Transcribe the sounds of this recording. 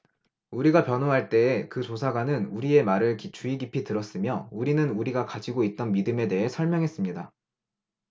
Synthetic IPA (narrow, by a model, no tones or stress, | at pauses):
uɾiɡapjʌnoɦaɭt͈e̞ːkɯt͡ɕosʰaɡwanɯnuɾie̞maɾɯɭkit͡ɕʰuiɡipʰitɯɾʌs͈ɯmjʌuɾinɯnuɾiɡakad͡ʑiɡoit̚t͈ʌnmidɯme̞de̞ɦe̞sʰʌɭmjʌŋɦe̞s͈ɯmɲida